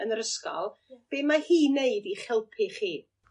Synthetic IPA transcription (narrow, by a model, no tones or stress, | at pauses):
ənəɾəskɔ̰lˠb̥eːmahiːneɨdiχɪlˠpʰɪχiː